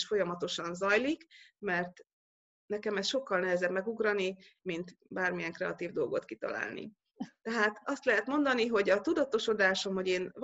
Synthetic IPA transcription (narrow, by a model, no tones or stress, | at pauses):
ʃfo̞jɒmɒt̪o̞ʃɒnzɒjlikmɛrt̪ | nɛkɛmɛst̪ʃo̞kːɒlnɛɦɛzɛbmɛɡuɡrɒni | mint̪baːrmijɛŋkrɛɒ̰t̪iːvd̪o̞lɡo̞t̪kit̪ɒ̰la̰ːlnḭ | t̪ɛɦaːt̪ɒst̪lɛɦɛt̪mo̞nd̪ɒniɦo̞ɟɒt̪ud̪ɒt̪o̞ʃo̞d̪aːʃo̞mho̞ɟeːnv